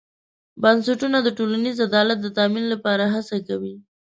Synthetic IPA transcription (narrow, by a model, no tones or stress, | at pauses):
bansaʈunad̪əʈolanizad̪ɑlat̪̚d̪ət̪ɑminlapɑɾaɦasakawi